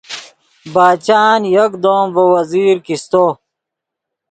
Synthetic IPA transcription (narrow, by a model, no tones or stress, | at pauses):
baːt͡ɕaːnjɐkd̪oːmvowɐziːɾkist̪o